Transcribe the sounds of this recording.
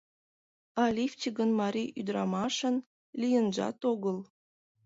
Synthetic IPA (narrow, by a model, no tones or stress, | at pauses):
ɑlʲift͡ɕiɡənmɑɾʲiyd̪ɾɑmɑʃə̆n | lʲijənʒɑ̰t̪oɣəlˠ